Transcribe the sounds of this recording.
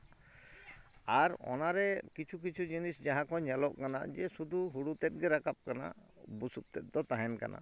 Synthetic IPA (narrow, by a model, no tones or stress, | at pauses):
aɾɔ̰naɾɛkit͡ʃʰuk̬it͡ʃʰud͡ʒinisd͡ʒaɦãkɔɲɛlɔʔkana̰d͡ʒɛsud̪uɦuɽut̪ɛt̪̚ˀɡɛɾakap̚kana̰ | busup̚t̪ɛt̪̚d̪ɔt̪aɦɛnka̰na̰